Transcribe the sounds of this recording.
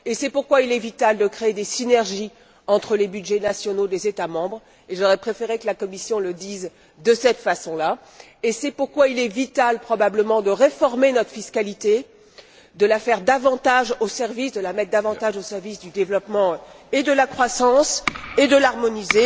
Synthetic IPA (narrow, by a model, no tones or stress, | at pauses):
esɛpuʁkwailɛvit̪ald̪əkχeed̪esinɛʁʒi | ɑ̃t̪χəlebyd̪ʒɛnasjɔnod̪ezet̪amɑ̃bʁ | eʒɔʁɛpχefeʁekəlakɔmisjɔ̃ləd̪iz | d̪əsɛt̪fasɔ̃la | esɛpuʁkwailɛvit̪alpχɔbabləmɑ̃d̪əʁefɔʁmenɔt̪χə̥fiskalit̪e | d̪əlafɛʁd̪avɑ̃t̪aʒosɛʁvisd̪əlamɛt̪̚d̪avɑ̃tt̪aʒosɛʁvisd̪yd̪evlɔpmɑ̃ed̪əlakχwasɑ̃sed̪əlaʁmɔnize